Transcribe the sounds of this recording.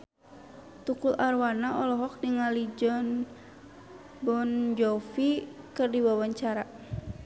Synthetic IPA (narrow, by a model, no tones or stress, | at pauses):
t̪ukulʔarwanaʔɔlɔɦɔk̚niŋalid͡ʒɔn | bɔnd͡ʒɔfikɨrdiwawaɲt͡ʃaɾa